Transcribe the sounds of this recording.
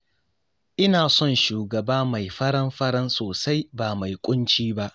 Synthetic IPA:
ʔɪ˦naː˨sɔ˦˨nʃuː˨ɡɐ˨baː˦ma˨jɸɐ˦ɽɐ˦mɸɐ˦ɽɐ˦nsoː˨sa˦jbaː˨ma˨jkʷʼʊ˦nt͡ʃiː˦ba˦ʔ

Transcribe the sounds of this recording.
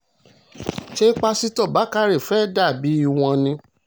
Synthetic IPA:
ʃe˦i˦k͡pa˧si˦tɔ˦˨ba˨˦ka˦ɾe˦˨fɛ˨˦˨da˦˨bi˨˦i˧w̃ɔ̃˧nĩ˧

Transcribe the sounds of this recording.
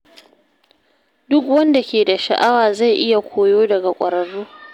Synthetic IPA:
dʊ˦kwɐ˦nda˨kʲeː˨da˨ʃa˨ʔa˦waː˨za˦˨jʔɪ˦ja˨kʷʰoː˨joː˦dɐ˨ɡa˨kʷʼɐ˨ɾɐ˨ɽːuː˦

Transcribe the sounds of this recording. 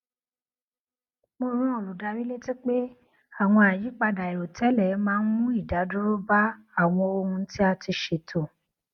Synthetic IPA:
mo˧ɾ̃ũ˦ɔ˨lu˨da˧ɾi˦le˦ti˦k͡pe˦ | a˦˨w̃ɔ̃˧a˨ji˨˦k͡pa˧da˨i˨ɾo˨tɛ˨˦lɛ˨˦mãː˦˧˦n̩˦mũ˦i˦˨da˨˦du˦ɾo˦ba˦ | a˦˨w̃ɔ̃˧o˧hũ˧˦ti˦a˧ti˧ʃe˨tʰo˨

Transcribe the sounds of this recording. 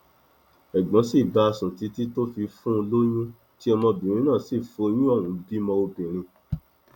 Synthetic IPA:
ɛ˨ɡ͡bɔ̃˨˦si˦˨ba˧sũ˨ti˨˧˦ti˦to˦fi˧fũ˦˧lo˦j̃ũ˦ | ti˦ɔ˧mɔ̃˧bĩ˨ɾ̃ĩ˦nã˦˨si˦˨fo˧j̃ĩ˦ɔ˦˨wũ˨˦bi˦mɔ̃˧o˧bĩ˨ɾ̃ĩ˧

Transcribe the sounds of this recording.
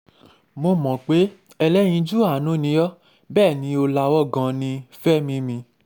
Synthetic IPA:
mo˧mɔ̃˨k͡pe˨˦ | ɛ˧lɛ˦j̃ĩ˧d͡ʒu˦a˦˨nũ˦nĩ˧˦jɔ˦ | bɛː˦˨nĩ˧˦o˧la˧wɔ˦˨ɡã˧nĩ˧fɛ˦˨mĩ˧mĩ˧

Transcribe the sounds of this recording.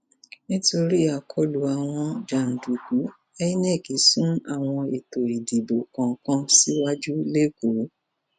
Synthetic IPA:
nĩ˦to˧ɾi˦a˨kʰɔ˦lu˨˦a˨w̃ɔ̃˧d͡ʒa˨n̩˨du˨ɡu˨˦ | ɛ˦i˦nɛ˦˨ki˨˦sũ˦a˦˨w̃ɔ̃˧e˨to˨i˨di˨bo˨kã˨˦kã˦si˦wa˦d͡ʒu˦le˦˨ko˨˦

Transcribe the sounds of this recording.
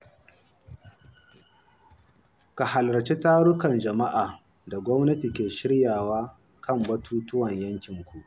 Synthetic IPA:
ka˨ha˨lɾɐ˨t͡ʃe˦taː˦ɽʊ˦kɐ˨nd͡ʒɐ˨ma˦ʔaː˨ | da˨ɡʷɔ˦mnɐ˦ti˨kʲeː˨ʃɪ˦ɽjaː˨waː˦ | kɐ˦˨mbɐ˦tʰuː˦tʊ˦wɐ˨ɲjɐ˦ŋkʲɪ˨ŋkʷu˨ʔ

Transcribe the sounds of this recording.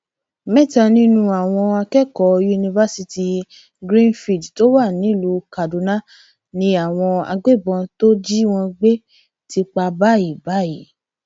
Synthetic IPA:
mɛ˦˨ta˧˨nĩ˦nũ˦˧a˨w̃ɔ̃˧a˧kɛ˦kɔ˨˦ju˧nĩ˧va˦si˧ti˧ | ɡɾĩ˦nfi˨dto˦wa˦˨nĩ˨˦˨lu˧˦ka˨du˨˦nã˦ | nĩ˧a˨w̃ɔ̃˧a̰˧ɡ͡be˦˨bɔ̃˧to˦d͡ʒi˦w̃ɔ̃˧ɡ͡be˦ | ti˧k͡pa˧ba˦i˨ba˦i˨

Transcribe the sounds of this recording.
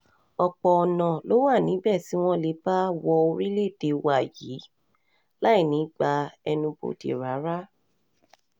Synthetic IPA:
ɔ˧k͡pɔ˨ɔ˨nã˨lo˨˦wa˦˨nĩ˨˦bɛ˦˨si˨˦w̃ɔ̃˦le˧˦ba˦wɔ˧o˧ɾi˦le˦˨te˨˧wa˨jiː˨˦ | la˦i˦˨nĩ˨˦ɡ͡ba˧ɛ˧nũ˧bo̰˧tḭ˨ɾa˨˦ɾa˦

